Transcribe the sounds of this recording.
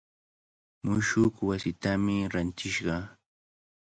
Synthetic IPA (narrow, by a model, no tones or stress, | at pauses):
mʊʃʊkwasɪt̪amɪɾant̪ɪʃɢɑ